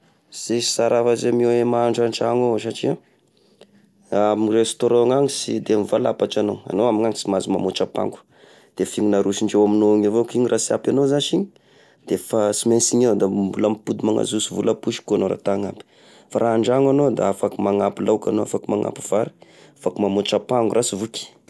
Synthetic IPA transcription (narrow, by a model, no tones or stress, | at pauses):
z̥e̥saɾavazemewemaːɳɖ͡ʐaɳʈ͡ʂaŋoʃaʈ͡ʂia | amrest̪oɾɔ̃ŋaŋisid̪emivalapaʈ͡ʂanoa̰nowamiɲaŋisimazimamot͡ʃapa̰ŋɡu̥ | d̪̥efiŋunaɾuʃiɳɖ͡ʐewaminoŋavokiɲrʔasia̰panozaʃiɲi̥ | d̪̥efasimensiɲad̪ambulamipud̪imaŋa̰zusivulapuʃi̥kuanoɾa̰t̪aŋapi̥ | faɾʔaaɳɖ͡ʐaŋanod̪a̰afakumaŋapilawka̰noa̰fakumaŋa̰pi̥v̥aɾi̥ | afakumamot͡ʃapaŋɡurasivuki̥